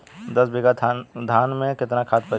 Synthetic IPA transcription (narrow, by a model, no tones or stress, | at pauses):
d̪ɐsbeɡad̪ʱaːnmẽkɪt̪nakʰaːt̪̚pɐɾ